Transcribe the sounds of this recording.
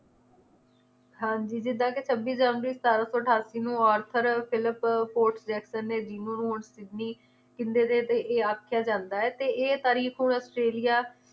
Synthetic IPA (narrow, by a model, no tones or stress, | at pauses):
ɦãːɲd͡ʒiːd͡ʒɪd̪ãːket͡ʃʰəbiːsd͡ʒaːnəɾiːst̪aːɾãːsɔːəʈʰaːsiːnũːɔːɾt̪ʰəɾpʰɪlɪppoːɾʈsd͡ʒɛːksənːeːd͡ʒiːñːnũːɳsɪɖniː | kɪnd̪eːd̪eːt̪eːʔeːaːkʰjaːd͡ʒãːnd̪aːɛːt̪eːʔeːt̪aːɾiːkʰnũːɔːsʈɾeːlɪjaː